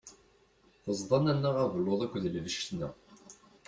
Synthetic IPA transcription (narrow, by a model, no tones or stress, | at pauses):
θəzˤðˤɑnænːæʁævəlːoðˤækʷðəlvəʃt̪næ̰ʁ